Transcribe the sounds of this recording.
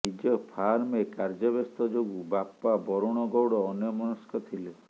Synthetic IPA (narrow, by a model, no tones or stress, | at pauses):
nid͡ʒɔpʰaɾmekaɾd͡ʒɔbest̪ɔd͡ʒoɡubapːabɔɾuɽ̃ɔɡɔwɽɔːnjɔmɔnɔskɔt̪ʰile